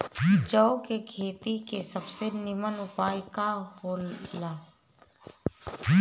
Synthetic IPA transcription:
t͡ʃɔokekʰeːt̪ikesəbsenɪmənʊpaːjkahoːlaː

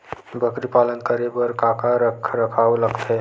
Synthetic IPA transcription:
bʱəkɾipaːlənkəɾebəɾkaːkaɾəkʰɾəkʰaːwləɡt̪ɦɛː

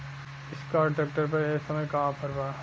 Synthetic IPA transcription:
ɪskaːɾʈɾɛːk̚ʈəɾpɐɾeːsɐməjkaːpʰɐɾbaː

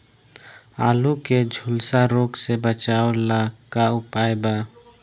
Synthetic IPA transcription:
a̰luked͡ʒʱʊlsaɾoɡsebət͡ʃaolakaʊpaeba

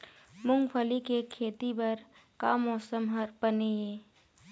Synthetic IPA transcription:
mʊ̃ŋɡpʰəlikekʰeːt̪ibɐɾ | kamɔːsəmɦɐɾpəneeː

